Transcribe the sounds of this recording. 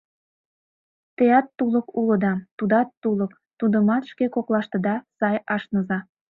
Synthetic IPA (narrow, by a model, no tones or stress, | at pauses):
t̪eɑt̪ːuləkulə̆d̪ɑt̪ud̪ɑt̪ːulək | t̪ud̪əmɑt̪ʃkekoklɑʃt̪ə̆d̪ɑsɑjɑʃnəzɑ